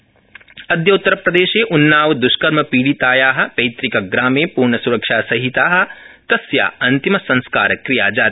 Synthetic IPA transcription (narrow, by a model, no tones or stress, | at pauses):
ɐd̪jɐut̪ːɐɾɐpɾɐd̪eːʃeːʔunːaːʋd̪uʃkɐɾmɐpiːɽit̪aːjaːɦɐ̆pɐjt̪ɾikɐɡɾaːmeːpuːɾɳɐsuɾɐkʂaːsɐɦit̪aːɦɐ̆ | t̪ɐsja̰ːɐnt̪imɐsɐ̃nskaːɾɐkɾija̰ːd͡ʒaːt̪